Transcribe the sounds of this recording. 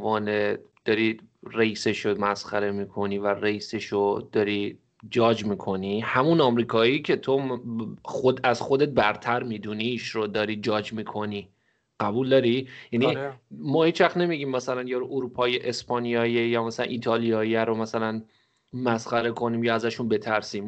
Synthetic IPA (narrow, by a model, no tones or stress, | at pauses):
vɒːned̪̥ɒɾiːreiːseʃomæsxæ̰ɾe̞miːkʰo̞niːværeiseʃod̪̥ɒɾiː | d͡ʒɒːd͡ʒmiːkʰo̞nihæmunɒːmɾiːkʰɒːicʰe̞t̪ʰo | xod̪æzxod̪e̞t̪̚bæɾt̪ʰæɾmid̪uniʃɾod̪ɒːɾiːd͡ʒɒːd͡ʒmiːkʰo̞niː | ɢ̥æbuːld̪ɒːɾijænimɒːhit͡ʃʋæχt̪ne̞miɟiːmːæsælænjɒɾʔoɾupʰɒːjeʔespɒːnijɒːjejɒːmæsælæ̰nʔiːt̪ʰɒːlijɒːjæɾomæsælæn | mæsχæɾe̞kʰo̞niːmjɒːæzæʃunbe̞t̪ʰæɾsiːm